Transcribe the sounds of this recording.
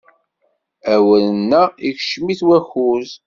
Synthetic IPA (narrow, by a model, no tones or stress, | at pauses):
æwələnːæiçʃmiθwæxuz